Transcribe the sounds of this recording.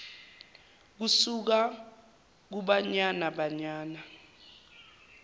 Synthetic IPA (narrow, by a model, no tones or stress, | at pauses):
k̬usuk̬a | k̬uɓaɲanaɓaɲaːna